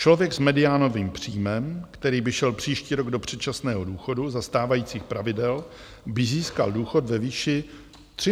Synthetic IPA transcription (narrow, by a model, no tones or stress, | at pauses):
t͡ʃlo̞vjɛɡsmɛdɪaːno̞viːmpr̝̥iːmɛmkt̪ɛɾiːbɪʃɛlpr̝̥iːʃciːɾo̞ɡdo̞pr̝̥ɛt̪t͡ʃasnɛːɦo̞duːxo̞duzast̪aːvajiːt͡siːxpɾavɪdɛl | bɪziːska̰lduːxo̞t̪vɛviːʃɪ | t̪r̝̥ɪ